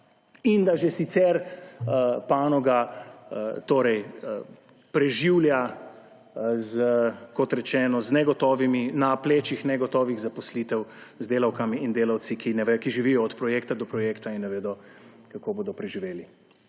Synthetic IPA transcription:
ind̪aʒɛsit̪sɛɾ | paːnɔɡa | t̪oːɾɛj | pɾɛʒiwlja | zəkɔt̪ɾɛt͡ʃɛːnɔznɛɡɔt̪ɔːʋiminapleːt͡ʃixnɛɡɔt̪ɔːʋiɣzapɔslit̪ɛwzd̪eːlawkamiːnd̪eːlawt̪sikinɛʋɛkiʒiʋijɔːt̪pɾɔjeːkt̪ad̪ɔpɾɔjeːkt̪ainːɛʋeːd̪ɔ | kakoːboːd̪ɔpɾɛʒiʋeːli

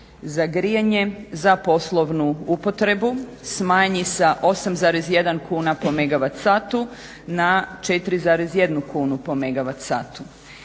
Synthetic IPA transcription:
zaɡɾijaɲe̞zapo̞slˠo̞ʋnuupo̞t̪ɾe̞bu | smaːɲisaʔo̞samzaːɾezje̞d̪ankʰuːnapo̞meɡaʋat̪saːt̪u | nat͡ʃet̪ɾizaːɾezje̞d̪nukuːnupo̞me̞ɡaʋat̪saːt̪u

